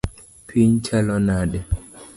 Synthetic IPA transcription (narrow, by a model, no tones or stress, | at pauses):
pʰiɲt͡ʃalɔnaːɗɛ